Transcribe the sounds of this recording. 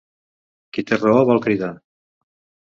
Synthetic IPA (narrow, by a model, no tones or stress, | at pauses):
kit̪erooβalkɾiða